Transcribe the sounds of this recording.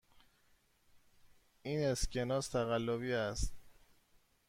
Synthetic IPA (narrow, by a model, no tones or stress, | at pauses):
ʔiːne̞scʰe̞nɒːst̪ʰæɣælːoβiːæst̪̚